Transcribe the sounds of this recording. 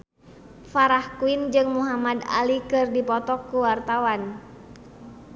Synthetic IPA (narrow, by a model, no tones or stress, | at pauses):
faɾahkuind͡ʒɨŋmuɦamada̰likɨrdipɔt̪ɔkːuwart̪awan